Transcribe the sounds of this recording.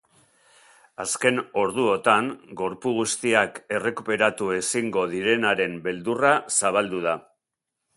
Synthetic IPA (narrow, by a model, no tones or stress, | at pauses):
aske̞no̞ɾðuo̞t̪aŋɡo̞ɾpuɣ̞ust̪iake̞re̞kupe̞ɾat̪ue̞siŋɡo̞ðiɾe̞naɾe̞mbe̞ld̪urasaβ̞ald̪uð̞a